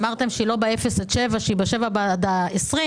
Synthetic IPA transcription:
maʁt̪e̞mʃeilo̞beefesat̪ʃevaʃeibaʃe̞vabad̪aesʁi

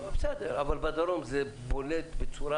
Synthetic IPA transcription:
bsed̪eɾavalbad̪aɾomzebolet̪bet͡suɾa

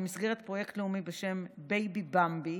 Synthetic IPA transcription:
misɡe̞ʁ̞et̪pʁoje̞kt̪leumibeʃe̞mbejbibambi

